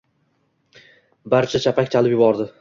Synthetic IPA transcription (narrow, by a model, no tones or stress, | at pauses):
baɾt͡ʃʰat͡ʃʰapʰakʲt͡ʃʰalɪpjʊbɒɾd̪ɪ